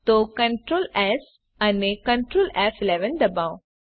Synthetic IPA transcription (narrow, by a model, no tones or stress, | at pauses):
t̪okə̃ɳʈɾoːlɛs | anekə̃ɳʈɾoːlɛfilɛʋənd̪ɐbaw